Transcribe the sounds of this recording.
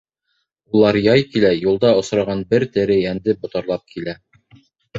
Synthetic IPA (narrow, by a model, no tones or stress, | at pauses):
ulˠɑɾjɑjkilæjulˠd̪ɑŏsɾɑʁɑnbɘɾt̪ɘ̆ɾɘjænd̪ɘbŏt̪ɑɾlˠɑp̚kʰilæ